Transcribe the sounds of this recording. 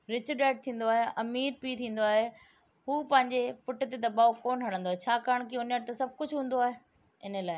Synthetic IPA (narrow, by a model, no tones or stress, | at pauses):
ɾɪt͡ɕɗeːʈ̚t̪ʰĩːn̆d̪oaːɦeʔɐmiːɾpiːt̪ʰĩːn̆d̪oaːɦe | ɦuːpɐ̃ɦɪ̃ɲd͡ʑepʊʈt̪ed̪ɐbaːofoːnɦɐɽ̤̃ə̃nd̪oaːɦet͡ɕʰaːkaːəɽ̃kiʊnjəʈ̚t̪ɐsɐb̚ʱkʊd͡ʑʱɦũːn̆d̪oaːɦe | ɪnə̆laːɪ